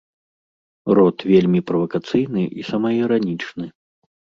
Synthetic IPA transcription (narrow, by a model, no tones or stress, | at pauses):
rɔt̪vʲelʲmʲipɾɐvɐkat̪sɨjnɨʔisɐmɐiɾanʲit͡ʂnɨ